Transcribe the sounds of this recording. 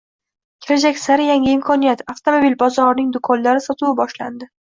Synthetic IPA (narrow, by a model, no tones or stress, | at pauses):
kʲʰɪɾad͡ʒakʲsaɾɪjaŋʲɪɪmkʰɒnijat̪aft̪ʰomobilbɒzɒɾnɪŋd̪ʊkʰɒnlaɾɪsɒt̪ʰuwabɒʃla̰nd̪ɪ